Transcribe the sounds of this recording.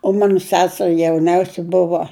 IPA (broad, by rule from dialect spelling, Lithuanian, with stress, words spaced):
oː ˈmɑːnʊ ˈsʲæːsʲɛrʲɪ jɛʊˈnʲɛʊsʲɛ ˈbʊʋoː